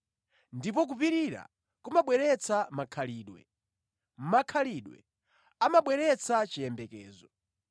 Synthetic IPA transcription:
ndipɔk̬upiɾiɾa̰ | kumaɓwɛɾɛt͡sʰamakʰaliːɗwɛ̰ | m̩makʰaliɗwɛ̰ | amaɓwɛɾɛt͡sʰat͡ʃijɛmbɛkɛːzɔ

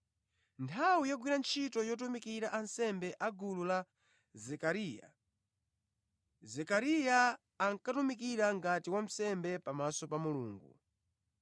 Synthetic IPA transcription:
ntʰawijɔɡwiɾant͡ʃʰitɔjɔtumikiɾaʔansɛmbɛʔaɡulula | zɛkaɾiːja̰ | zɛkaɾijaː | ŋkatumikiɾaŋɡatiwam̩sɛmbɛpamasɔpamulṵːŋɡṵ

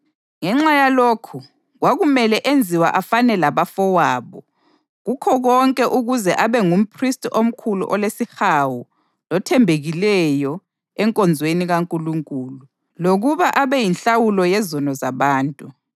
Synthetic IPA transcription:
ŋɛŋ͡ǁajaloːkʰu | ɣwaɣumɛlɛʔend͡zʱiwa̰ʔafanɛlaβafɔwaːβɔ | ɣukʰɔɣɔŋkʼɛʔuɣuzɛʔaβɛŋum̩pʰristʼom̩kʰulṵʔɔlesixawu | lɔtʰɛmbʱeɣilɛjɔ | ɛŋkʼɔnd͡zʱweniɣaŋkʼuluŋkʼuːlu | loɣuβaʔaβɛjinɬawulɔjɛzɔnɔzaβaːntʼu

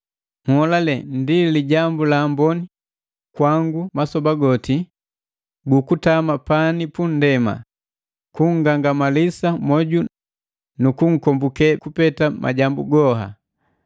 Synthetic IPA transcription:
ŋ̩hɔlalɛndiliɟambulaːmbɔni | kwaŋɡumasɔbaɡɔti | ɡukutamapanipun̩dɛma̰ | kuŋ̩ɡaŋɡamalisamɔɟu | nukuŋ̩kɔmbukɛkupɛtamʔa̰ɟambuɡɔɦa̰

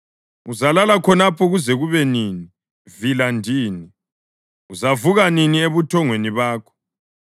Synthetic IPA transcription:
uzalalakʰɔnapʰɔɣuzɛɣuβɛniːni | vilandʱiːni | uzavuɣaninieβutʰɔŋweniβaːkʰɔ̥

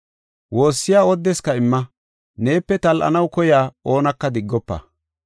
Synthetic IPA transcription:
wo̞ːsːɪjaːɔd̪ːɛskɐɪmːɐ | ne̞ːpːɛt̪ɐlʔɐ̰nɐwkɔjaːo̞ːnɐkːɐd̪ɪɡːɔpːɐ̰

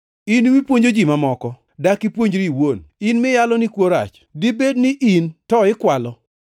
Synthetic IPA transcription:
inwipwoɲd͡ʒod͡ʒimamɔkɔ | dakipwoɲd͡ʒɾiiwoninmɪjalɔnikwoɾa̰t͡ʃ | dibednɪʔintɔɪkwalɔ

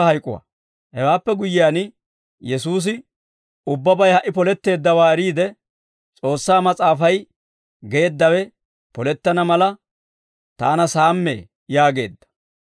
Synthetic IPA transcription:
ɐhɐjkʼʊ̰wa̰ | hɛwaːpːɛɡʊjɪjaːn | jɛsuːs̬ɪ | ʊbːɐbɐjhɐʔɪpɔlɛt̪ːe̞ːd̪ːɐwaːɛɾiːd̪ɛ | t͡sʼo̞ːsːaːmɐt͡sʼaːfɐj | ɡe̞ːd̪ːɐwɛ | pɔlɛt̪ːɐnɐmɐlɐ | t̪a̰ːnɐsaːmːḛː | jaːɡe̞ːd̪ːɐ̥

